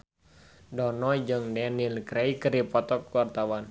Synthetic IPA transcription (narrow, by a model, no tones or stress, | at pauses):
dɔnɔd͡ʒəŋdɛnilkɾɛikəɾipɔt̪ɔkwart̪awan